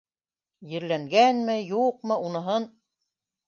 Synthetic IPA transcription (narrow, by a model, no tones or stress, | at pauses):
jɘ̆ɾlæŋɡænmɘjuq̚mɤ̆unɤ̆ɦɤn